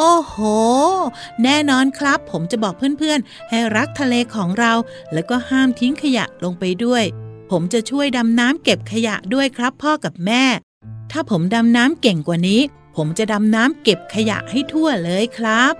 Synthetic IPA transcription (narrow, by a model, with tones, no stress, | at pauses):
ʔoː˨˩hoː˨˩ | nɛː˥˩nɔː˧nkʰɾa˦˥pʰːo˩˦mt͡ɕa˨˩bɔː˨˩k̚pʰɯː˥˩ənpʰɯ˥˩ən | ha˥˩jɾa˦˥k̚t̪ʰa˧leː˧kʰɔː˩˦ŋɾa˧w | lɛː˦˥wkɔː˥˩haː˥˩mt̪ʰi˦˥ŋkʰa˧ja̰˨˩ʔlo˧ŋpa˧jdu˥˩əjpʰo˩˦mt͡ɕa˨˩t͡ɕʰu˥˩əjda˧mnaː˦˥mke˨˩p̚kʰa˧ja̰˨˩ʔdu˥˩əjkʰɾa˦˥pʰːɔː˥˩ka˨˩p̚mɛː˥˩ | t̪ʰaː˥˩pʰo˩˦mda˧mnaː˦˥mke˨˩ŋkwaː˨˩niː˦˥ | pʰo˩˦mt͡ɕa˨˩da˧mnaː˦˥mke˨˩p̚kʰa˧ja̰˨˩ʔha˥˩jt̪ʰu˥˩ɐlɤː˧jkʰɾa˦˥p̚